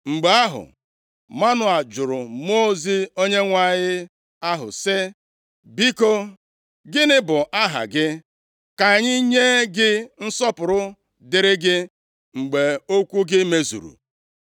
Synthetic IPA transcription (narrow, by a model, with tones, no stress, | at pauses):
ŋ͡m̩˨ɡ͡be˨a˦ɦʊ̰˨ | ma˦nʊ˨a˨d͡ʒʊ˨ɾʊ˨m˦o˦zi˦o˦ɲe˦ŋʷa˦˨ɲɪ˦ | a˦ɦʊ̰˨sɪ˦ | bi˦ko˦ | ɡɪ˦nɪ˦bʊ˨ʔa˦ɦa̰˨ɡɪ˦ | ka˨ɲɪ˦ɲe˦ɡɪ˦n̩˦sɔ˦pʊ˨ɾʊ˦ | dɪ˨ɾɪ˦ɡɪ˦ | ŋ͡m̩˨ɡ͡be˨o˦kʷu˦ɡɪ˦me˦zṵ˨ɾṵ˨